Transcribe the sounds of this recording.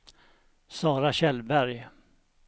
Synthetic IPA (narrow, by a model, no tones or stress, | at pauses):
sɑːɾaɕɛlbæɾj